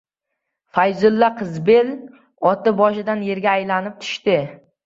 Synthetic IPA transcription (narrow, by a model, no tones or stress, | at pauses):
fajzʊlːaqʰɨzbe̞l | ɒt̪ʰɪbɒʃɪd̪anje̞ɾɡʲaːjlanɪp̚t̪ʰʊ̥ʃt̪ɪ